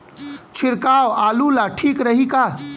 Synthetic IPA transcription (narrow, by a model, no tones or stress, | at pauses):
t͡ʃʰiɾkawalulaʈʰikɾəɦika